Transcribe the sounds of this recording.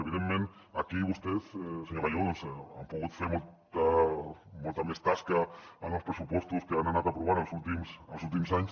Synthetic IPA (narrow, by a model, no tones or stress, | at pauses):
eβiðemːẽn | akiβust̪eθseɲoɾaʎonsa̰mpuɣut̪feɾmolt̪a | molt̪amest̪askaaospɾesupɔst̪uskeananat̪apɾuβ̞aɾensult̪imselsult̪̬imsaɲs